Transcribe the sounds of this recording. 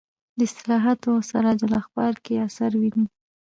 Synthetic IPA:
d̪əɪst̪ɪlɑɦat̪osa̰ɾad͡ʒalɑxbɑɾkeasaɾwini

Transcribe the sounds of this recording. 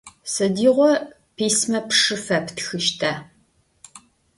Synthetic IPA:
sɐdiːʁʷɔ | pʰeːsmɐpʂɨfɐptxɨʃtʰaː

